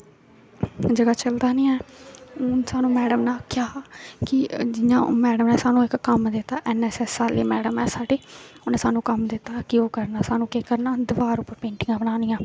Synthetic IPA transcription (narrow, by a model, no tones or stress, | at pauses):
d͡ʒəɡaːt͡ʃəld̪aːnĩːɛːʊnsaːnũːmɛːɖəmnaːkɪjaːkɪd͡ʒɪjã̰ːmɛːɖəmnɛ̃ːsaːnũːɪkːəmd̪ɪt̪ːaːʔɛnɛsɛːsaːlḛːmɛːɖəmɛːsaːɖeːʊnɛːsaːnũːkəmd̪ɪt̪ːaːkɪoːkəɾnaːsaːnũːkeːkəɾnaːd̪əʋaːɾʊpːəɾpẽːɳʈɪŋɡãːbənaːnɪjãː